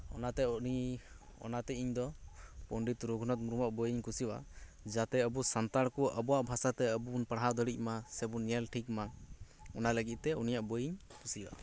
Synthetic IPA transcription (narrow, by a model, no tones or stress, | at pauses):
ɔ̰nat̪ɛɔi | ɔ̰nat̪ɛiɲd̪ɔpɔɳɖit̪ɾuɡʱunɔt̪̚muɾumaʔbɔjiɲkusiwa̰ | d͡ʒat̪ɛəbusant̪aɽkɔʔə̰bɔwaʔbʱasat̪ɛəbuunpaɽɦad̪ɔɽic̚ˀmasɛbunɛlʈʰikma | ɔnaləɡit̪̚t̪ɛunijaʔbɔjiɲkusiwa̰